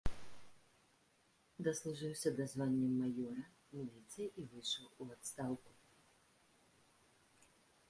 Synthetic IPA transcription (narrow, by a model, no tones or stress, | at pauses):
d̪ɐslˠuʐɨwsʲɐd̪azvanʲːɛmːajɔɾɐ | mʲilʲit̪sɨjiʔivɨjʂɐwuat̪st̪awku̥